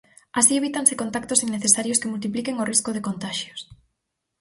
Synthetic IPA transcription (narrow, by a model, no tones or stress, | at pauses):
asieβ̞it̪ansekont̪ak̚t̪osinːeθesaɾjoskemult̪̬iplikeŋorʔiskoð̞ekont̪aʃjos